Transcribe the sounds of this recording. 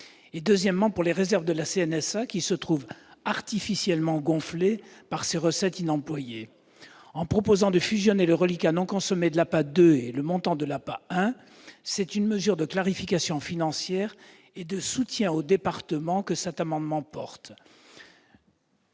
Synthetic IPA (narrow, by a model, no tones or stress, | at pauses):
ed̪øzjɛmːɑ̃puʁleʁezɛʁvd̪əlaseɛnɛsakʲisət̪χuvaʁt̪ifisjɛlmɑ̃ɡɔ̃flepaʁseʁəsɛt̪inɑ̃plwaje | ɑ̃pχɔpozɑ̃d̪əfyzjɔneləʁəlikanɔ̃kɔ̃sɔmed̪əlapad̪øeləmɔ̃t̪ɑ̃d̪əlapaɛ̃ | sɛt̪ynməzyʁd̪əklaʁifikasjɔ̃finɑ̃sjɛːʁ | ed̪əsut̪jɛ̃od̪epaʁt̪əmɑ̃kəsɛt̪amɑ̃d̪mɑ̃pɔʁt̪